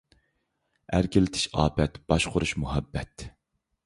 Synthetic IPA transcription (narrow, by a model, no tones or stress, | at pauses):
æɾkʲɪlɪt̪ʰɪ̥ʃɑ̰ːbɛt̪b̥ɑʃqʰʊɾuʃmuɦɛbːɛt̪